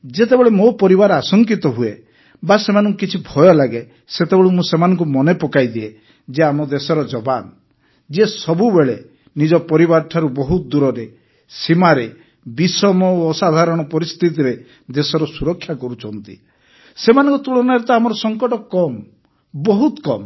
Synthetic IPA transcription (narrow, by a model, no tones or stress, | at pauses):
d͡ʒet̪ebeɭemopɔɾibaɾasɔŋkit̪ɔɦue | basemanɔ̃ŋkukit͡ʃʰibʱɔjɔlaɡe | set̪ebeɭumũsemanɔŋk̬umɔnepɔkajd̪ie | d͡ʒeamɔd̪esɔɾɔd͡ʒɔban | d͡ʒiesɔbubeɭe | nid͡ʒɔpɔɾibaɾʈ̪ʰaɾubɔɦut̪d̪uɾɔɾe | simaɾe | bisɔmɔːsad̪ʱaɾɔɽ̃ɔpɔɾist̪ʰit̪̬iɾe | d̪esɔɾɔsuɾɔkʰːjakɔɾut͡ʃʰɔnt̪ḭ | semanɔ̃ŋkut̪uɭɔnaɾet̪ɔamɔɾɔsɔŋkɔʈɔkɔm | bɔɦut̪kɔm